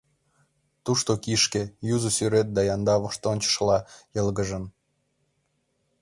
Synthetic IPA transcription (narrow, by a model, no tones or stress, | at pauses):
t̪uʃt̪okiʃkejuzusyɾet̪̚d̪ɑjɑnd̪ɑβə̆ʃt̪onʲt͡ɕə̥ʃlɑjɤ̆lɡə̆ʒə̆n